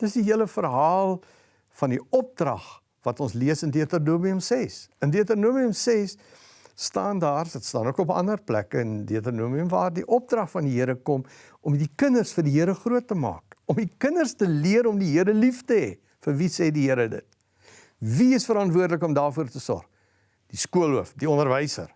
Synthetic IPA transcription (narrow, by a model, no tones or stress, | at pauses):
d̥əsdiɦiələfərɦɑːlˠ | fɐndiɔp̚drɐ̰χ | vɐtɔnsliəsəndiətərnuəmiəmsɛsəndiətərnuəmiəmsɛsː | tɑːndɑːrsdətstɑ̰ːnuəkɔpəɐ̰ndərplæ̰kəəndiətərnuəmiəmvɑːrdiʔɔp̚drɐχfɐndiɦiəɾəkɔm | ʔɔmdikənərsfərdiɦiəɾəχruətːəmɑ̰ːkɔmdikənərstəliəɾɔmdiɦiəɾəliftəɦɛ̰ | fərvisɛːdiɦiəɾədə̰t̚ | viəsfəɾɐntvuərdləkɔmdɑːrfuərtəsɔ̰rχ | d̥iskuəluəfdiɔndərvəjsə̰r